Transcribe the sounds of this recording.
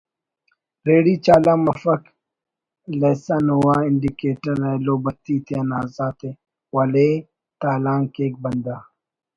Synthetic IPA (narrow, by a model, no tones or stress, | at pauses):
ɾeːɽiːt͡ʃaːlaːmɐfɐk | leːsɐnɦuwaɪɳɖikeːʈɐɾeloːbɐt̪iːt̪ʰeɐnaːzaːt̪e | wɐleː | t̪aːlaːŋkeːk̚bɐnd̪aː